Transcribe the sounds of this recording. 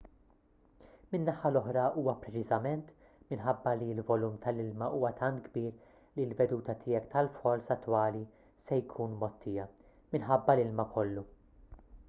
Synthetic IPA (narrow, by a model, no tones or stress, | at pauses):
mɪnːɐħɐlɔħɾɐʔuːwɐpɾɛt͡ʃɪzɐmɛnt̪ | mɪnħɐbːɐlilvɔluːmt̪ɐlɪlmɐʔuːwɐt̪ʰɐnt̪ɡbiːɾ | lilvɛd̪uːt̪ɐt̪ʰɪːjɛkt̪ɐlfɔlsɐt̪ːwɐːli | sɛjkʰuːnmɔt̪ːɪːjɐ | mɪnħɐbːɐlɪlmɐkʰɔlːu